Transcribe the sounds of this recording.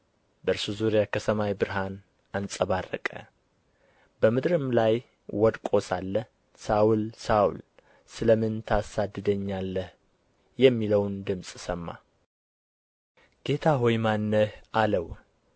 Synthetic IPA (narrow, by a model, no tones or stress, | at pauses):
bəɨɾsuzuɾijakʰət̪ʰəmawbɨɾɦan | ansʼəβarːə̰kʼə̰ | bəmɨd̪ɾɨmlaj | wɔd̪kʼo̞salːəh | sawʊlsaw̰l | sɨləmɨnt̪ʰasad̪ːɨd̪əɲːalːəh | jɛmːiləwnd̪ɨmsʼsəmːa̰ | ɡ̥e̞t̪ʰaɦojmanːəhaləw